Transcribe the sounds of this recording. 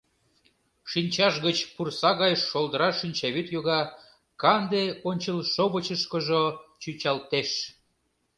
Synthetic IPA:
ʃinʲt͡ɕɑʃɣət͡ɕpursɑɣɑjʃːold̪əɾɑʃynʲt͡ɕɑβyt̪joɣɑ | kɑnd̪eonʲt͡ɕəlʃoβət͡ɕəʃkəʒot͡ɕyt͡ɕɑlt̪eʃ

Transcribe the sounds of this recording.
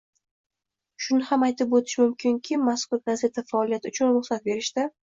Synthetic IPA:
ʃʊnɪhamajt̪ɪpot̪ʰɪ̥ʃmʊmkʲʰɪŋkʲʰɪmaskʊɾɡaze̞t̪ʰafaɒlijat̪ʊt͡ʃʰʊnɾʊχsat̪̚be̞ɾɪʃt̪ɪ

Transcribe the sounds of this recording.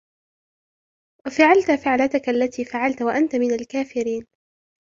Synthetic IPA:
wafaʕalt̪faʕlat̪akaʔalːat̪iːfaʕalt̪waʔant̪amɪnalkaːfɪɾiːn

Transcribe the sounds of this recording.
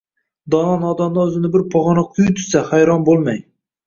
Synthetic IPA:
d̪ɒnɒnɒd̪ɒmd̪ɒɵzɪnɪbɪɾpʰɒʁɑnaqʰʊjt̪ʰʊ̥sahajɾɒnbolˠmaj

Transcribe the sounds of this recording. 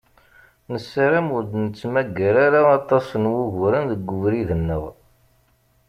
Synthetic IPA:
nəsːɾamuɾd̪nət͡sːmæɡːæɾaɾaɑt̪ˤɑsənwuɣɾənðəɡːʊvɾiðənːəʁ

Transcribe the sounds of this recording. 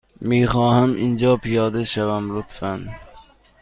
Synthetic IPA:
mijχɒːɦamʔɪnd͡ʒɒpʰɪjɒːd̪ɪʃavamlʊt̪fan

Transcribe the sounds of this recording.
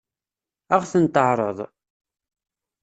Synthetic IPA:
æʁθənt̪əʕɾˤəðˤ

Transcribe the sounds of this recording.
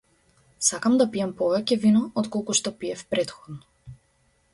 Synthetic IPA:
sakamd̪apiɛmpɔvɛcɛvinɔɔt̪kɔlˠkuʃt̪ɔpiɛfpɾɛt̪xɔd̪nɔ

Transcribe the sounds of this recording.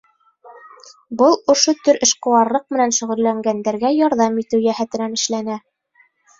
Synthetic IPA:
bɤlˠŏʃot̪ɵɾɘ̆ʃqɤ̆wɑɾlˠɤq̚mɘ̆nænʃɵ̆ʁɵ̆lːæŋɡænd̪æɾɡæjɑɾðɑmit̪ɘwjæhæt̪ɘ̆nænɘ̆ʃlænæ

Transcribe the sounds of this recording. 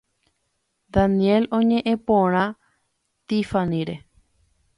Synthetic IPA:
d̪anije̞lõɲẽ̞ʔẽ̞põɾ̃ã | t̪ifanĩɾe̞

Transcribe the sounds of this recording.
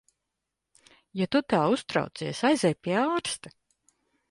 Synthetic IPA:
jat̪ut̪aːust̪ɾa̰wt̪siɛsajzɛjpʲiɛaːɾst̪a

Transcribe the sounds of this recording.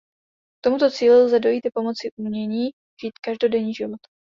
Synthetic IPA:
k̚t̪o̞mut̪o̞t͡siːlɪlzɛdo̞jiːt̪ɪpo̞mo̞t͡sɪʔumɲɛɲiː | ʒ̥iːt̪kaʒdo̞dɛɲiːʒɪvo̞t̪

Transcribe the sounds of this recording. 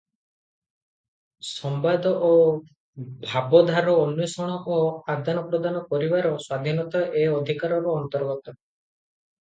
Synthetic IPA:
sɔmbad̪ɔʔo | bʱabɔd̪ʱaɾɔːnːjɔsɔɽ̃ɔʔoad̪anɔpɾɔd̪anɔpɔɾibaɾɔswad̪ʱinɔt̪ɔʔeɔd̪ʱikaɾɔɾɔːnt̪ɔɾɡɔt̪ɔ

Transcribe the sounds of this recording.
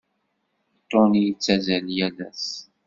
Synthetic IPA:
t̪onit͡sːæzæljælæ̰s

